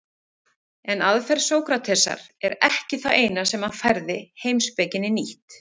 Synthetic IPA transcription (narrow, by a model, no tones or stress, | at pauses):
ɛnaðfɛɾ̥soːwkɾat̪ʰɛsa̰ɾ̥ɛɾɛhcɪθaeːjnasɛmafɛɾðɪhejmspɛcɪnːɪniht̪